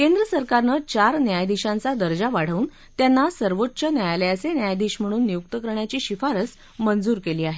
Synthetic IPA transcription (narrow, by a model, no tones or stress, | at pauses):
kend̪ɾəsəɾkaɾnət͡ɕaɾnjajd̪iɕãnt͡sad̪əɾd͡ʑaʋaɽ̤əuːn | t̪janːasəɾʋotːɕənjajaljasenjajd̪iɕm̤əɽ̃uːnːijuk̚t̪əkəɾɳjat͡ɕiːɕifaɾəs | mənd͡zuːɾkeliːaɦe